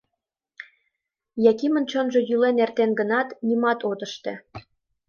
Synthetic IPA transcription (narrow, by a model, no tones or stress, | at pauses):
jɑkimə̆nt͡ɕonʒĕjylenert̪enɡə̆nɑt̪nimɑt̪ot̪ə̆ʃt̪ĕ